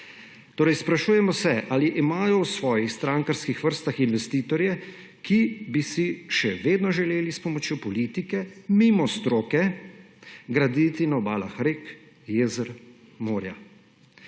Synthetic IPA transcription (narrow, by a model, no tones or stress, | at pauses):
t̪oːɾɛjspɾaʃuːjɛmɔsɛʔaliʔimaːjɔwsʋɔːjixst̪ɾaŋkaɾskixʋəɾst̪axinʋɛst̪iːt̪ɔɾjɛ | kibisiʃɛʋeːd̪nɔʒɛleːlispɔmɔt͡ʃjopɔliːt̪ikɛmimɔst̪ɾoːkɛ | ɡɾad̪it̪inaɔbaːlaxɾek | jeːzəɾ | moːɾja